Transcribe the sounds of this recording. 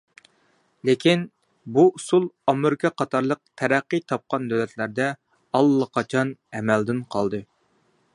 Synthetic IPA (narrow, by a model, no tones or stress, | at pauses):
lekʲin | buusulˠɑmɨɾkʰʲɛqʰɑt̪ʰɑɾlˠəq̚t̪ʰɛɾæqːijt̪ʰɑp̚qɑnd̪øwlɛt̪læɾd̪ɛ | ɑlˠːɑqʰɑt͡ʃʰɑnɛmɛld̪ɪnqʰɑlˠd̪ɨ